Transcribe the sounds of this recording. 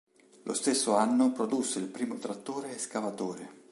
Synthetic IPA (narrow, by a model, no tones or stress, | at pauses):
lʔo̰st̪esːoanːopɾod̪usːeilpɾiːmot̪ɾat̪ːoːɾeːskavat̪oːɾe